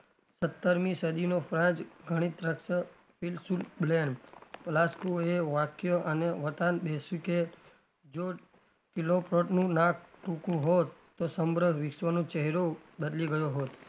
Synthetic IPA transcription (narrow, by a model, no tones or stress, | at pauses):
sət̪ːəɾmĩsəd̪inofɾãd͡ʒɡʱəɽ̃it̪ɾəksə | filsulblenpəlaskueʋakjoʔəneʋət̪anbesuke | d͡ʒo | kilopɾoʈnũnak̚ʰʈũkũɦot̪ːosəmbɾəʋɪsʋənũt͡ʃəɦɾobəd̪liɡəjoɦot̪